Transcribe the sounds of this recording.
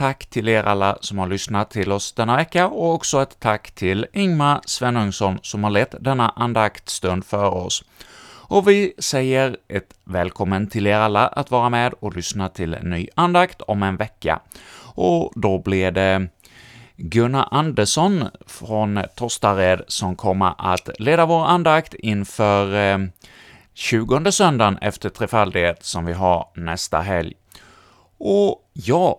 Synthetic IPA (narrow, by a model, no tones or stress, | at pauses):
t̪ʰakːt̪ʰɪleːɾa̰lːa̰sɔmhaɾɭʏsnat̪ʰːɪlɔsd̪̥ɛnːavɛkːaɔɔksɔɛt̪ʰːakːt̪ʰɪlɪŋmasvɛnɵŋsɔnsɔmhaɾɭɛt̪ːd̪ɛnːaʔand̪akt̪st̪ɵnd̪fœːɾɔs | ʔɔvɪsɛjːəɾʔɛt̪vɛːlkʰɔmːənt̪ʰɪleːɾalːaʔa̰t̪vɑːɾameːd̪ɔlʏsnat̪ʰɪlnːy̰ːand̪akt̪ʰɔmɛnvɛkːa̰ʔɔd̪ɔblɪd̪ɛ | ɡɵnːaʔand̪əʂɔnfɾɔnt̪ʰɔst̪aɾeːd̪sɔmkʰɔmːa̰ʔat̪leːd̪avoːɾand̪akt̪ɪnfœɾ | ɕʉ̟ːɡɔnd̪əsœnd̪anɛ̰ft̪əʈʰɾeːfald̪ɪɡeːt̪sɔmvɪɦaɾnɛst̪a̰ɦɛlj | ɔ | jɑː